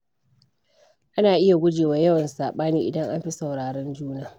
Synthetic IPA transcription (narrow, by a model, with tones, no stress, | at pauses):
ʔa˦naː˨ʔɪ˦ja˨ɡʷʊ˦d͡ʒeː˨waː˨jɐ˦wɐ˨nsaː˨ɓaː˦niː˦ʔɪ̰˨dɐ˦ŋʔa˦mɸi˦sɐ˨wɽaː˨ɽɛ˦nd͡ʒuː˦naː˨